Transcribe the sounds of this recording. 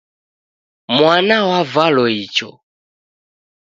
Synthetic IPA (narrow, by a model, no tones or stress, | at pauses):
mwanawavalɔit͡ʃɔ̰